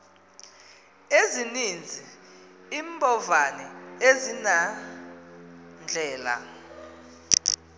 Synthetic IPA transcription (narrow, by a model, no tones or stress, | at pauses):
ezinind͡zʱi | iːmbʱʼɔvanɛezina | nd͡ɮʱɛːla̰